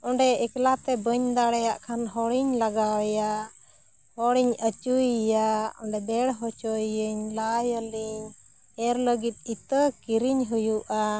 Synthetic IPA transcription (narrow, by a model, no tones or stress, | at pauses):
ɔɳɖɛɛklat̪ɛbəɲd̪aɽɛjaʔkʰanɦɔɽiɲlaɡawja | hɔɽiɲət͡ʃujaɔɳɖɛd̪ɛɽɦɔt͡ʃɔjəɲlajɔliɲ | ɛɾləɡit̪̚it̪əkiɾiɲɦujuʔa